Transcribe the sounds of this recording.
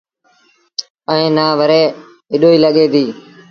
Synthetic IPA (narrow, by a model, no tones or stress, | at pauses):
əẽːnaːʋəɾeː | ɪɗoːiːləɠeːd̪iː